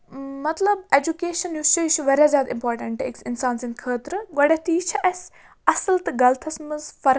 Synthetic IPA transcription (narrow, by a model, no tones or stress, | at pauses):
mɐt̪lɐbed͡ʒukeːʃɐnjust͡ʃɐʃuʋɐɾʲjazʲjaːd̪ĩmpoːɾʈɐɳʈḛksɪnsaːnsinkʰəːt̪ɾɨɡɐɽet̪iːt͡ʃʰɐʔɐs | ɐsɨlt̪ɨɡɐlt̪ʰɐsmɨzfɐɾ